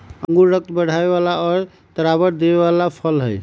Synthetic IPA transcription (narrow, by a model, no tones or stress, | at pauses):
əŋɡuːək̚t̪bəɽ̤aeβalaɔɾ | t̪əɾaβəɾd̪ebeβalapʰəlɦəj